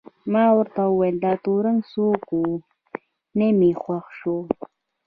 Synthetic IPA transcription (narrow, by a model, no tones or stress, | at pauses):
mɑwəɾt̪awəwajld̪ɑt̪oɾəŋsoku | nemexwaxʃo